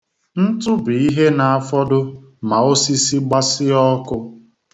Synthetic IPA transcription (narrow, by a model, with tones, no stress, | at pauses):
n̩˦tʊ˦bi˨i˦ɦe˦na˨a˨fɔ˦dʊ˦ | ma˨o˦si˦si˦ɡ͡ba˦sɪ˦ɔ˦kʊ˦